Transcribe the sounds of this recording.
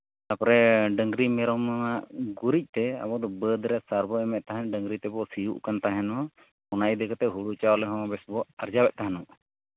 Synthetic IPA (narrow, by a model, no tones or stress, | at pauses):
t̪apɔɾɛɖəŋɡɾimɛɾɔmmaʔɡuɾic̚ˀt̪ɛa̰bɔd̪ɔbəd̪ɾɛʔsaɾbɔɛmɛʔ̪̚t̪aɦanɖəŋɡɾit̪ɛbɔsijṵʔkant̪aɦɛnɔ | ɔnajd̪ɛkɔt̪ɛɦuɽut͡ʃaɔlɛɦɔ̃bɛsbɔʔaɾd͡ʒawɛʔ̪̚t̪aɦanuʔ